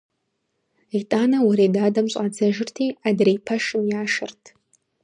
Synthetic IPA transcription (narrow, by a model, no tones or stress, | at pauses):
itʼanɐwaɾedaːdɐmɕʷʼad͡zɐʒɪrtʰiadrejpʰɐʂɨmjaːʂɨrtʰ